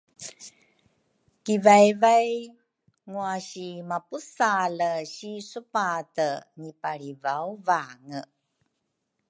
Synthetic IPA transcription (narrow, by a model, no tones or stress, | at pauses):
kivajvaj | ŋuaɕimapusaləɕisupatəɲipaɭivawvaŋə